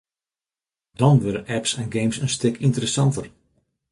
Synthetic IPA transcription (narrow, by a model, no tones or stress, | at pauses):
d̥ɔnʋøɾənʔɛpsɛnɡejmsənstɪkʰintərəsɑntər